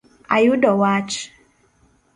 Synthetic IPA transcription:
a̰judɔwat͡ʃ

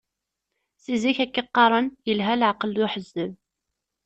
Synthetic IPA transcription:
siziçækːiqːɑɾˤənjəlɦælʕqəlʊħəzːəv

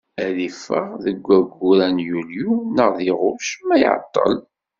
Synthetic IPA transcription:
ælifəʁðəɡʷːæɡːuɾænjuljunəʁðiʁʊʃmæj̰ʕ̰t̪ˤːə̰l

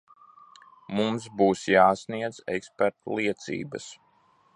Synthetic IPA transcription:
mumsbuːsjaːsniɛd̪zɛ̰kspɛɾt̪ulˠiɛt̪sḭːbəs

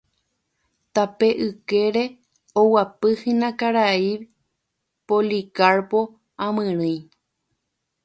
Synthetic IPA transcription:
t̪ape̞ʔɨkeɾe̞ | owapɨhĩnãkaɾaiβ | polikaɾpo̞ | ãmɨ̃ɾ̃ɨj

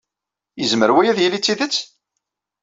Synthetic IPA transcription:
jəzməɾwæjæðjəlːit͡sːiðət͡sː

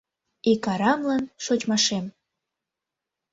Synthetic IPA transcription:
ikɑɾɑmlɑnʃot͡ɕmɑʃem

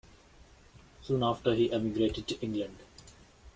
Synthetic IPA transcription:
sũːnaːfʈəɾɦiːʔɛmɪɡɾeːʈɪɖ̚ʈuʔɪ̃ŋɡlə̃ɳɖ

